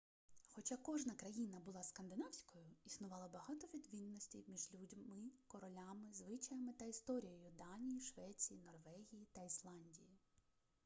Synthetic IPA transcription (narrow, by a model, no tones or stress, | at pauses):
xɔt͡ʃakɔʒnɐkɾɐjinɐbʊlˠɑskɐnd̪ɪnɑwsʲkɔjʊisnʊʋɑlˠɐbɐɦɑt̪ɔʋʲid̪ʋʲinːɔsʲtʲiwmʲiʒlʲudʲmɪkɔɾɔlʲamɪzʋɪt͡ʃɐjɐmɪt̪ɐist̪ɔɾʲijɔjʊd̪ɑnʲijiʃʋɛt͡sʲijinɔrʋɛɦʲijit̪ɐislˠɑnʲdʲiji